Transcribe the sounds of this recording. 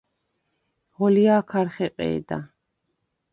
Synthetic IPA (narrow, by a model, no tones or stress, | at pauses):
ʁɔliaːkʰaɾχɛqʼɛ̰ːd̪a̰